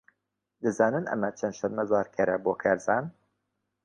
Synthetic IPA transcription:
d̪ɨzɑːnɨnɛ̰mæt͡ʃʰɛnd̪ʃɛnmɐzɑːɾkʰɛɾɛboːkʰɛɾzɑːn

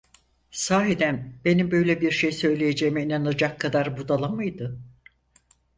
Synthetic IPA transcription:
saːɦid̪ænbe̞nimbø̞jlʲebiɾʃejsø̞jlʲejed͡ʒe̞jmɛinanad͡ʒakʰːad̪aɾbud̪alˠamɯjd̪ɯ

